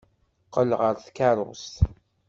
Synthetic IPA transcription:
qəlʁəɾθkaɾˤʊ̰st̪

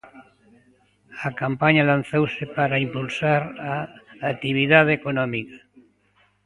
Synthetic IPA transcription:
akampaɲalanθowsepaɾaimpulsaɾaːt̪iβ̞iðaðekonɔmikḁ

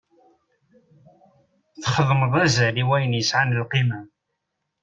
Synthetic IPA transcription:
θχəðˤməðˤæzæliwæjənjəsʕanəlqimæ

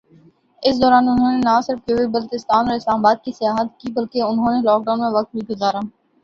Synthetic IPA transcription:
ɪs̬d̪ɔːɾaːnʊnɦõːnenasɪɾfkoːibɐlot͡ʃɪst̪aːnɔːɾɪslaːmabaːd̪̚kisɪjaːɦət̪kibɐlkeʊnɦõːnelɔːk̚ɖaːʊnmẽʋɐk̚t̪̚bʱiɡʊzaːɾaː

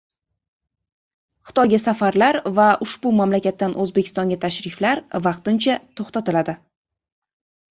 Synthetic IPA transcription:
χɨ̥t̪ʰɒjɡʲasafaɾlaɾvaʊʃbʊmamlakʲat̪ːanʔɵzbe̞kʰʲɪ̥st̪ɒŋɡʲat̪ʰaʃɾɪflaɾvɑq̚t̪ɪnt͡ʃʰat̪ʰoχt̪at̪ɪlad̪ɪ

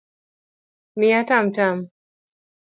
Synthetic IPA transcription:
miatam̩tam

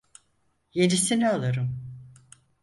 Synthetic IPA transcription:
jeɾisinialˠaɾɯm

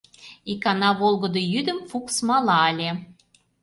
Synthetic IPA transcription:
ikɑnɑβolˠɣə̆d̪ojyd̪ə̆mfuksmɑlɑəlʲe

